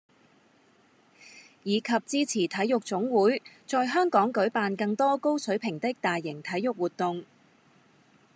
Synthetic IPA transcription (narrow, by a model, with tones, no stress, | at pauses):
jiː˨˧kʰɐ˨p̚t͡siː˥t͡sʰiː˨˩t̪ʰɐ˨˥jʊ˨k̚t͡sʊ˨˥ŋwuː˨˥jt͡sɔː˨˧jɦœː˥ŋkɔː˨˥ŋkɵ˨˥ɥpaː˨˧nkɐ˧ŋt̪ɔː˥ko˥wsɵ˨˥ɥpʰɪ˨˩ŋt̪ɪ˥k̚t̪aː˨jːɪ˨˩ŋt̪ʰɐ˨˥jjʊ˨k̚wuː˨˩t̪ʊ˨ŋ